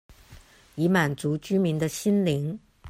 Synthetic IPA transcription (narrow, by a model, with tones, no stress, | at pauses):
i˧˥ma˨˩nt͡su˧˥t͡ɕy˥mi˧˥nd̪ə˧ɕi˥nli˧˥ŋ